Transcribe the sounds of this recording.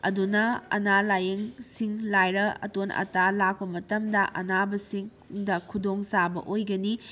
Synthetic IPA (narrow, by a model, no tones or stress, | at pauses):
ɐ̰dunɐɐ̰nalajeŋsiŋlajɾɐɐ̰tonɐ̰talak̚pɐmɐtɐmdɐʔɐ̰nabɐsiŋ | dɐkʰudoŋsabɐ̰ʔojɡɐni